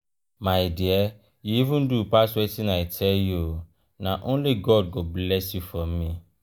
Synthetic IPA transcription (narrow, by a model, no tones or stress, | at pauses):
mãjdɪɛ | jiivũndupaswɛtɪnãɛtʰɛjo | nãʔõnliɡɔd̚ɡoblɛsjufɔĩ